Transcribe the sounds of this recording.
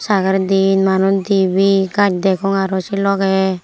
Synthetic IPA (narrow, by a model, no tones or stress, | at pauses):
saɡaɾd̪inmanud̪ibiɡat͡ʃ̚d̪ɛkɔŋaɾɔsilɔkɛ